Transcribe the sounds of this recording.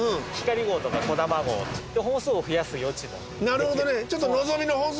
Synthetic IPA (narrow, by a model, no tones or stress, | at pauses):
ɯ̃çi̥kaɾʲiɡo̞ːt̪o̞kako̞d̪amaɡo̞̰ːt̪it̪ːeɦõ̞ɰ̃sɨːoɸɯ̟jasɨjo̞t͡ɕino̰ | naɾɯ̟hod̪o̞net͡ɕot̪̬ːono̞zo̞mʲinohõɰ̃s